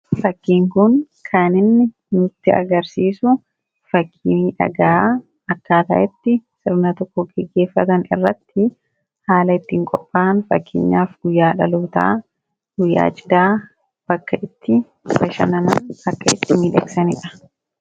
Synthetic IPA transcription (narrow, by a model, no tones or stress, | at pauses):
fɐkːiːŋkʊn | kʰaːnɪnnɪ | nʊt̪ːɪɐ̰ɡɐɾsiːsʊ | fɐkʰːiːᶑɐ̰ɡaː | ɐkːaːt̪ɐ̰ʔɛt̪ːɪsɪɾnɐt̪ɔkːɔɡɛɡːe̞ːfːɐt̪ɐnɪ̰rːɐt̪ːɪ | haːlɐɪt̪ːɪŋkʼɔpʼːaːnfɐ̰kːɪ̰ɲːaːfɡʊjːaːᶑɐluːt̪a̰ː | ɡʊjːa̰ːd͡ʒɪd̪aː | b̥ɐkːɐʔɪt̪ːɪ | bɐʃɐ̰nɐna̰ɐkːɐɪ̰t̪ːɪmiːᶑɛ̰ksɐnɪᶑɐ̥